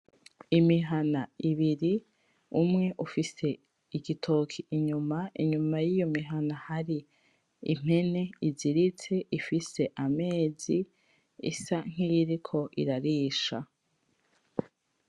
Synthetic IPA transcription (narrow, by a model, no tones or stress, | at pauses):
imiɦanaiβiɾi | umŋe̞ʔufise̞ | iɡitʰo̞kʰiʔiɲumaḭɲumajijo̞miɦanahaɾi | ḭm̥e̞ne̞iziɾit͡se̞ifise̞ʔame̞ːzi | ḭsaŋ̥ijɾikʰo̞ʔḭɾaɾiːʃa